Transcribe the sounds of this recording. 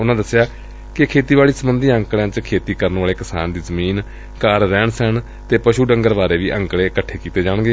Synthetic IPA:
ʊnãːd̪əsɪjaː | kɪkʰeːt̪iːʋaːliːsəbənd̪ĩːə̃ŋkɽjãːt͡ʃkʰeːt̪iːkəɾənʋaːleːkɪsa̰ːnd̪iːzəmiːn | kaːɾːɛːɳsən | t̪eːpəʃuːɖəŋɡəɾbaːɾeːʋiːʔə̃ŋkɽeːkəʈʰːeːkiːt̪eːd͡ʒaːɳɡeː

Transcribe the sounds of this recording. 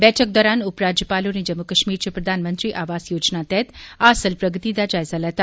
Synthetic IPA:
bɛːʈʰək̚d̪ɔːɾaːnʊpɾaːd͡ʒjəpalonid͡ʒəmːukəʃmiːɾt͡ʃʰipɾɐd̪ʱaːnmənt̪ɾiʔaːʋaːsjoːd͡ʒnat̪ɛt̪asəlpɾəɡət̪id̪ad͡ʒaːjzaləɦt̪a

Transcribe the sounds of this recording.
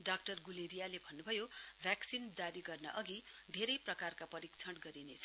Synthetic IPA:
ɖak̚ʈʌrɡuleɾijalebʱʌnːubʱʌjobʱjaksind͡zaɾiɡʌrnʌʔʌɡi | d̪ʱeɾʌjprʌkarkapʌɾikt͡sʰʌɽɡʌɾinet͡sʰʌ

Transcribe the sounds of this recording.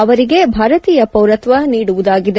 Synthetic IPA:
ɐʋɐɾiɡe̞bʱaːɾɐt̪iːjɐpɐwɾɐt̪ʋɐniːɽuʋud̪aːɡid̪e

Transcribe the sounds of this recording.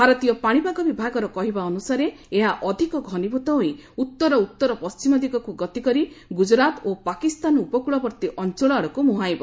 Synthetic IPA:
bʱaɾɔt̪ijɔpaɽ̃ibaɡɔbibʱaɡɔɾɔkɔɦibaɔnusaɾeeɦaʔɔd̪ʱikɔɡʱɔnibʱut̪ɔɦoiut̪ːɔɾɔut̪ːɔɾɔpɔst͡ʃimɔd̪iɡɔkuɡɔt̪ikɔɾiɡud͡ʒɾat̪opakist̪anupɔkuɭɔbɔɾt̪iʔɔnt͡ʃɔɭɔaɽɔkumuɦajbɔ

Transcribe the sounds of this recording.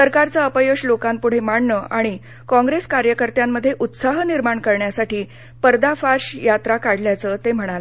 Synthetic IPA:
səɾkaɾt͡səəpəjoɕlokampuɽ̤emaɳɳəaɽ̃i | kɔ̃ŋɡɾeskaɾjəkəɾt̪jamːəd̪ʱːjeʔut̪saɦəniɾmaɳkəɾɳjasaʈiː | pəɾd̪afaɾɕjat̪ɾakaɽljat͡sət̪em̤əɽ̃alə

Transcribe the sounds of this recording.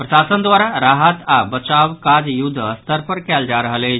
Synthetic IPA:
pɾəsasənd̪waɾaɾaɦət̪abət͡ʃawkad͡ʒjud̪ʱːəəst̪əɾpəɾkɛld͡ʒaɾəɦəle

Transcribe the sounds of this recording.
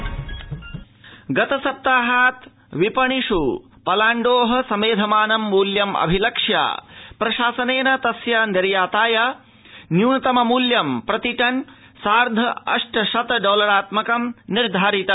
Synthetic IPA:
ɡɐt̪ɐsɐp̚t̪aːɦaːt̪ | ʋipɐɳiʂu | pɐlaːɳɖoːɦɐ̆sɐmeːd̪ʱɐmaːnɐmːuːljɐmɐ̰bʱilɐkʂja̰ːpɾɐʃaːsɐneːnɐt̪ɐsjɐnɐɾjaːt̪aːja | njuːnɐt̪ɐmɐmuːljɐmpɾɐt̪iʈɐn | saːɾd̪ʱɐɐ̰ʂʈɐʃɐt̪ɖoːlɐɾaːt̪mɐkɐmniɾd̪ʱaːɾit̪ɐ

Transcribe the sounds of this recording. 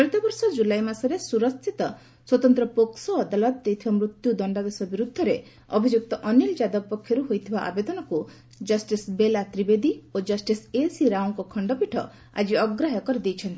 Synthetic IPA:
pɔit̪ɔbɔɾsɔd͡ʒulajmasɔɾesuɾɔst̪ʰit̪ɔ | swɔt̪ɔnt̪ɾɔpoksɔːd̪alɔt̪̚d̪ejt̪ʰibamɾut̪jud̪ɔɳɖad̪esɔbiɾud̪ʱːɔɾe | ɔbʱid͡ʒuk̚t̪ɔʔɔnild͡ʒad̪ɔpɔkʰjɔɾuɦojt̪ʰibaʔa̰bed̪ɔnɔku | d͡ʒɔsʈisbelat̪ɾibed̪iod͡ʒɔsʈisesiɾawŋkɔkʰɔɳɖɔpiʈʰɔ | a̰d͡ʒiɔɡɾaɦɔkɔɾid̪ejt͡ʃʰɔnt̪i̥

